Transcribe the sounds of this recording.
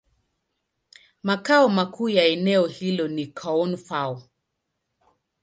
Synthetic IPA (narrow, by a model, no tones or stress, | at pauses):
makaɔmakʰuːjaɛnɛɔhilɔnikʰaɔnfaɔ